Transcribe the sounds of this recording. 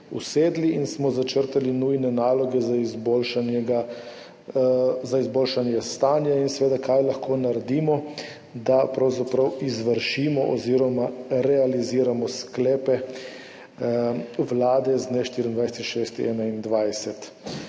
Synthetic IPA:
ṵseːd̪liinsmɔzat͡ʃəɾt̪alinujnɛnaːlɔɡɛzaizbolʃanɛɡa | zaizboːlʃanjɛst̪aːnjainsɛʋeːd̪akʰajlaxkʰoːnaɾɛd̪iːmɔ | d̪apɾawzapɾawizʋəɾʃimɔʔɔziɾɔmaɾɛaliziːɾamɔsklɛːpɛ | wlaːd̪ɛznɛʃt̪iɾind̪ʋajsɛt̪ʃeːst̪iɛːnaind̪ʋajsɛt̪

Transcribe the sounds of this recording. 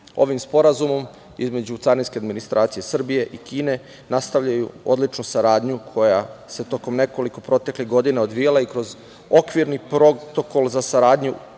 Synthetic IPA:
o̞̰ʋimspo̞ɾazumo̞m | ḭzme̞d͡ʑut̪saɾinskʲe̞ad̪minist̪ɾʔaːt̪sije̞sr̩bije̞ʔikiːne̞ | nast̪aʋʎajuod̪lit͡ʃnusaɾaːd̪ɲukʰo̞jase̞t̪o̞ko̞mne̞ko̞liko̞pɾo̞t̪e̞kliɣɡo̞d̪inao̞d̪ʋijalaikɾo̞z | okʋiɾnipɾot̪oko̞lˠzasaɾaːd̪ɲu

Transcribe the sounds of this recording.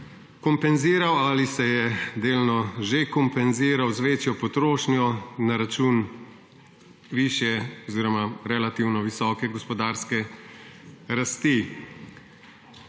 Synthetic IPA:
kɔmpɛnziːɾawalisɛjɛd̪eːlnɔʒekɔmpɛnziːɾawzʋeːt͡ʃjɔpɔt̪ɾoːʃnjɔnaɾat͡ʃuːn | ʋiːʃjɛɔziːɾɔmaɾɛlat̪iwnɔʋisɔːkɛɡɔspɔd̪aːɾskɛ | ɾast̪i

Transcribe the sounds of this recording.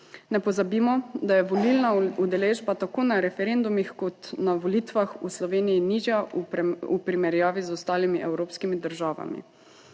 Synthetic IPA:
nɛpɔzabiːmɔd̪ajɛʋɔlilnaud̪ɛleːʒbat̪akoːnaɾɛfɛɾend̪umixkɔt̪naʋɔlit̪ʋaxuslɔʋeːnijiniʒja | upɾimɛɾjaːʋizɔst̪aːlimiʔɛwɾoːpskimid̪əɾʒaːʋa̰mḭ

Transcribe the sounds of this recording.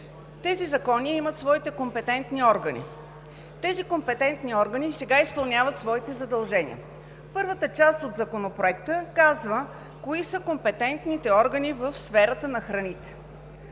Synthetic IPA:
t̪ɛzizɐkɔniimət̪svɔit̪ɛkompɛt̪ɛnt̪niɔɾɡənḭ | t̪ɛzikompɛt̪ɛnt̪niɔɾɡənisɛɡaispɐlˠnʲavət̪svɔit̪ɛzɐd̪ɐlˠʒɛnʲḭə̰ | pɤɾvət̪ət͡ʃast̪od̪zɐkonopɾoɛkt̪əkazvə | koisəkompɛt̪ɛnt̪nit̪ɛɔɾɡənivəfsfɛɾət̪ənɐxɾɐnit̪ɛ̥

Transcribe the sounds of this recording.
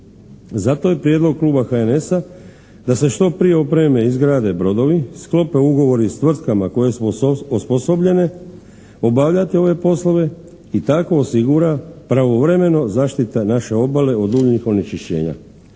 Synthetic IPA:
zat̪o̞je̞pɾjed̪lo̞ɡ̚kluːbaxaene̞sa | d̪ase̞ʃt̪o̞pɾije̞o̞pɾeme̞izɡɾaːd̪e̞bɾo̞d̪o̞ʋisklo̞pe̞uɡo̞ʋo̞ɾist̪ʋr̩t̪kamako̞je̞suosposobʎe̞ne̞ | o̞baʋʎat̪io̞ʋe̞po̞slˠo̞ʋe̞ | it̪ako̞ːsiɡuɾapɾaʋo̞ʋɾe̞me̞no̞zaːʃt̪it̪enaʃe̞o̞bale̞o̞d̪uːʎɲixo̞net͡ʃiʃt͡ɕe̞̰ːɲa̰

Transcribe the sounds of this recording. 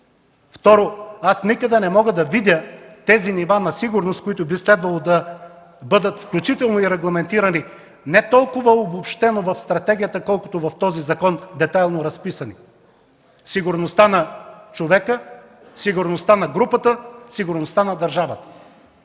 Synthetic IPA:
ft̪ɔɾoasnikəd̪ɛnɛmɔɡəd̪ɐvid̪ʲət̪ɛzinivanɐsiɡʊɾnost̪̚kʊit̪ʊbislɛd̪vɐlˠod̪ɐ | bɤd̪ət̪fklʲut͡ʃit̪ɛlˠnoiɾɛɡlˠɐmɛnt̪iɾɐni | nɛt̪ɔlˠkʊvəobopʃt̪ɛnovɐfst̪ɾɐt̪ɛɡʲijət̪əkɔlˠkʊt̪ovɐft̪ɔzizɐkɔnd̪ɛt̪ajlˠnoɾɐspisɐni | siɡʊɾnost̪anɐt͡ʃovɛkə | siɡʊɾnost̪anɐɡɾupət̪əsiɡʊɾnost̪anɐd̪ɐɾʒavət̪ə̥

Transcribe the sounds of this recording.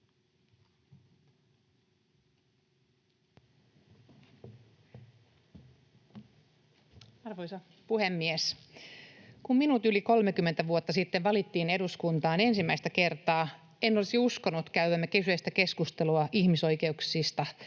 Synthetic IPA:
ɑrʋojsɑ | puhemːies | kumminut̪yliko̞lmekymːent̪æʋuot̪ːɑsit̪ːeʋʋɑlit̪ːiːne̞duskunt̪ɑːne̞nsimːæist̪æke̞rt̪ɑː | enːolisiusko̞nːut̪kæyʋæmːækesyest̪æke̞skust̪eluɑʔiçmiso̞jke̞uksist̪ɑ

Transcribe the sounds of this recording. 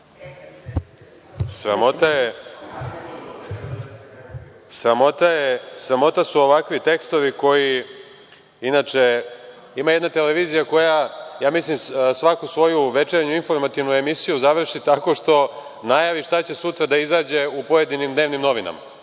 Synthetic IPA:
sɾamot̪aje | sɾamo̞t̪ajesɾamo̞t̪asuo̞ʋakʋit̪e̞kst̪o̞ʋiko̞ji | inat͡ʃe̞ | imaje̞d̪nat̪e̞leʋiːzijako̞jajaːmislimsʋakusʋo̞juʋe̞t͡ʃeɾɲuinfo̞ɾmat̪iʋnuemisijuzaʋr̩ʃit̪ako̞ʃt̪o̞ | najaʋiʃt̪at͡ɕe̞sut̪ɾad̪aizaːd͡ʑe̞upo̞je̞d̪inimd̪neʋnimno̞ʋina̰ma̰

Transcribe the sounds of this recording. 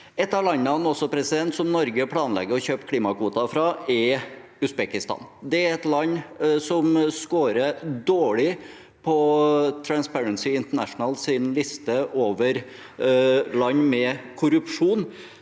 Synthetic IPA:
ɛt̪ːɑlɑnːɑnɔsɔpʰɾɛsɪd̪ɛnt̪sɔmnɔɾɡəpʰlɑːnlɛ̰ɡːəɾɔçøːpkʰliːmɑkʰʋuːt̪ɑfɾɑːɛ | ʉsbɛkɪst̪ɑ̰ːnd̪ɛæɾɛt̪lɑɲːsɔmskoːɾəd̪oːɭɪ | pʰɔt̪ʰɾænspæɹənsɪɪnt̪əɳæʂnəlsɪnlɪst̪əʔoːʋəɾ | lɑɲːmɛkʰʊɾʉpʂuːn

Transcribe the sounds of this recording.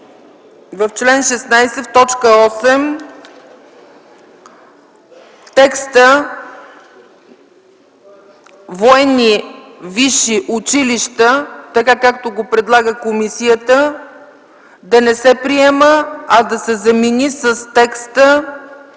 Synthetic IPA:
vəft͡ʃlɛnʃɛsnajsɛft̪ɔt͡ʃkəɔsɛm | t̪ɛkst̪ə | voɛni | viʃiʔʊt͡ʃiliʃt̪ət̪ɐkakak̚t̪oɡopɾɛd̪lˠaɡəkomisijət̪ə | d̪ɐnɛsɛpɾiɛməɐd̪ɐsɛzɐminisəst̪ɛkst̪ə

